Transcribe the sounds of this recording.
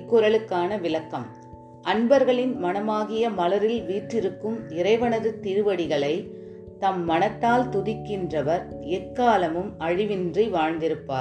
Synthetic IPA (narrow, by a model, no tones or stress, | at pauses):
kːʊɾɐɭɯkːaːnɐʋɪlɐkːɐm | ʔɐnbɐɾɣɐɭɪnmɐnɐmaːɣɪjɐmɐlɐɾɪlʋiːʈrɪɾɯkːɯmɪɾɐɪʋɐnɐðɯt̪iɾɯʋɐɽɪɣɐɭɐɪ | t̪ɐmːɐnɐt̪ːaːlt̪ʊðɪkːɪndrɐʋɐɾɛkːaːlɐmɯmɐɻɪʋɪndriʋaːɻnd̪ɪɾɯpːaː